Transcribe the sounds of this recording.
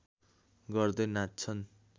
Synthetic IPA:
ɡʌrd̪ʌnatt͡sʰʌn

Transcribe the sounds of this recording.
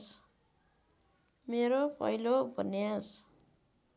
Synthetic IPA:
s | meɾopʰʌ̰jlobʱʌneas

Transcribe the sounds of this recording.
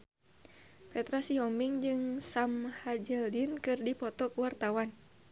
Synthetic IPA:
pɛt̪ɾasiɦɔmbiŋd͡ʒɨŋsamhad͡ʒəldinkɨrdipɔt̪ɔkuwart̪awan

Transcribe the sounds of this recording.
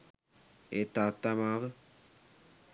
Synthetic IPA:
et̪at̪ːamaːʋə

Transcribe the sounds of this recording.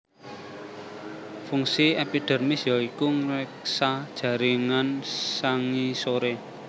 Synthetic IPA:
fuŋsiɛpiɖ̥ə̤rmisjɔikuŋɾɛk̚sad̥ʒ̥ä̤ɾiŋansaŋisoɾe

